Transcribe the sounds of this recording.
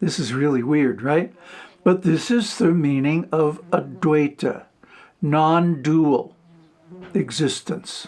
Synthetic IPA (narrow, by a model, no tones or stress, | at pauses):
ðɪsɨzɹɪlˠiwɪɹd̚ɹaɪt̚b̥ʌt̪̚ðɪsɨzðɨmĩnɪ̃ŋʌvədeɪɾʰɨ̰ | nɑ̃ndul̩ˠ | ɨɡzɪstɨ̃ns